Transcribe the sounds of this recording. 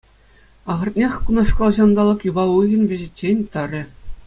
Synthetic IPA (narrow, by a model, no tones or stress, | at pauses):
ɑʁɤ̆rt̪̚nʲexʲkunɑʂkɑlˠʑɑnd̪ɑlˠɤ̆kjubɑuɣʲɤ̆nvʲeʑit͡ɕʲːenʲt̪ɑɾʲɘ̆